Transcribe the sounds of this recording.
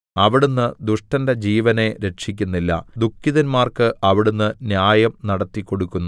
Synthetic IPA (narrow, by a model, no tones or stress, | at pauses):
ɐʋiɽunːɨd̪uʂʈɐnde̞d͡ʑiːʋɐne̞ɾe̞ʈʂikʲːunːilːɐ̰d̪ukʰːiðɐnmaːrkɨʔɐʋiɽunːɨnjaːjɐmnɐɽɐt̪ːikːo̞ɽukʲːunː